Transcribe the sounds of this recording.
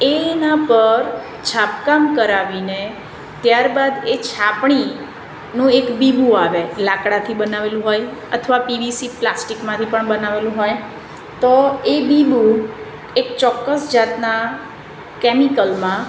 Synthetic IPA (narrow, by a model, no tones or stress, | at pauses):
eːnapəɾ | t͡ʃʰapkamkəɾaʋine | t̪jaɾbad̪et͡ʃʰapɳi | nũekbibũaʋelakɽat̪ʰibənaʋelũɦojə̰t̪ʰəʋapibisiplasʈikmãt̪ʰipəɳbənaʋelũɦoj | t̪oebibu | ekt͡ʃɔkːəsd͡ʒat̪na | kɛmikəlmã